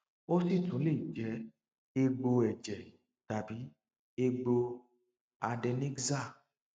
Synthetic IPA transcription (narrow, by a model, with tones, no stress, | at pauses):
o˦si˦˨tũ˨˦le˦˨d͡ʒɛ˨˦ | e˧ɡ͡bo˧ɛ˨d͡ʒɛ˨ | ta˨bi˨˦ | e˧ɡ͡bo˧ | a˧dɛ˧ne˦ɡza˦˨